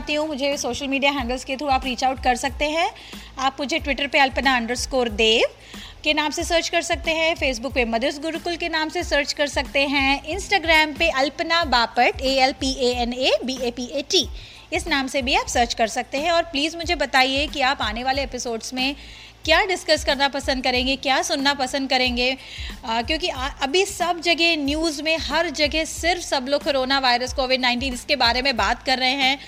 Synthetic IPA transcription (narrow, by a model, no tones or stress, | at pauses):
t̪iɦũmʊd͡ʒʱesoːʃəlmiːɖiaɦɛ̃ːɳɖəlsket̪ʰɾuaːpɾiːt͡ʃaʊʈkɐɾsɐk̚t̪eɦɛ̃ | aːpmʊd͡ʒʱeʈʋɪʈəɾpeɐlpnaɐ̃ɳɖəɾskoːɾd̪eːʋ | kenaːmsesəːɾt͡ʃkɐɾsɐk̚t̪eɦɛ̃feːs̬bʊkpemɐd̪əsɡʊɾkʊlkenaːmsesəːɾt͡ʃkɐɾsɐk̚t̪eɦɛ̃ɪ̃nsʈaːɡɾɛːmpeʔɐlpnabaːpəʈeːɛlpieːɛnebiːeːpieːʈiː | ɪsnaːmsebʱiaːpsəɾt͡ʃkɐɾsɐk̚t̪eɦɛ̃ɔːɾpliːzmʊd͡ʒʱebɐt̪aːiekiaːpaːneʋaːleɛpɪsoːɖsmẽ | kjaːɖɪskɐskɐɾnapɐsə̃nd̪kɐɾẽːŋɡekjaːsʊnːapɐsə̃nd̪̚kɐɾẽːŋɡeː | kjõːk̬iaːɐbʱisɐbd͡ʒɐɡɛnjuːzmẽɦɐɾd͡ʒɐɡɛsɪɾfsɐbloːkːoɾoːnaʋaːɪɾəskoːʋɪɖnaːɪ̃nʈ̬iːnɪskebaːɾemẽbaːt̪kɐɾːɐɦeɦɛ̃ː